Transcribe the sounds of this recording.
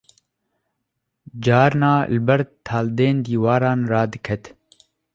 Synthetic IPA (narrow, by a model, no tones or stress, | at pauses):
d͡ʒɑːɾnɑːlɨbɛɾd̪̚t̪ʰɑːld̪eːnd̪iːwɑːɾɑːnrɑːd̪ɨkʰɛt̪